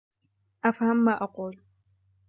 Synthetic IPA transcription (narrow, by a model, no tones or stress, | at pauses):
ʔafhamːaːʔɑquːl